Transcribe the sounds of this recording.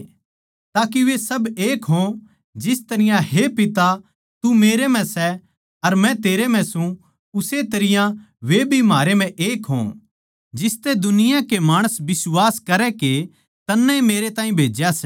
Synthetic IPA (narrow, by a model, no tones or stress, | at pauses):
t̪aːkiʋesɐbeːkɦõ | d͡ʒɪst̪ɐɾɪjãɦepɪt̪a | t̪umeːɾem̤ɛ̃sɛ | ɐɾmɛ̃t̪eːɾem̤ɛ̃sũ | ʊset̪ɐɾɪjã | ʋebʱimaːɾemɛ̃ʔeːkɦõ̰ | d͡ʒɪst̪ed̪ʊnɪjãkemaːɽ̃əsbɪswaːskɐɾɛke | t̪ɐnːɛmeːɾet̪ãːĩbʱeːd͡ʒjas